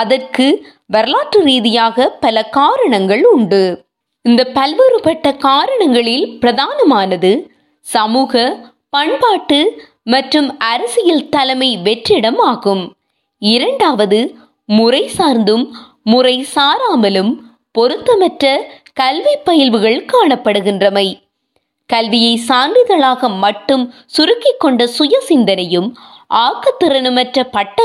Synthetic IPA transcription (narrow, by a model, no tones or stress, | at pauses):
ɐðɐrkɯ | ʋɐɾlaːʈrɯɾiːðɪjaːɣɐpɐlɐkaːɾɐɳɐŋɡɐɭʊɳɖɯ | ɪnd̪ɐpɐlʋɯɾɯpɐʈːɐkaːɾɐɳɐŋɡɐɭɪlpɪɾɐðaːnɐmaːnɐðɯ | sɐmuːɣɐ | pɐɳpaːʈːɯ | mɐʈrɯmɐɾɐsɪjɪlt̪ɐlɐmɐɪʋɛʈrɪɽɐmaːɣɯm | ɪɾɐɳɖaːʋɐðɯ | mʊrɐɪsaːɾnd̪ɯmː | ʊrɐɪsaːɾaːmɐlɯm | pɔɾɯt̪ːɐmɐʈrɐkɐlʋɪpːɐjɪlʋɯɣɐɭkaːɳɐpːɐɽɯɣɪndrɐmɐɪ | kɐlʋɪjɐɪsaːndɪɣɐɭaːɣɐmɐʈːɯm | sʊɾɯkːɪkːɔɳɖɐsʊjɐsɪnd̪ɐnɐjɯmʔaːkːɐt̪ːɪɾɐnɯmɐʈrɐpɐʈːɐ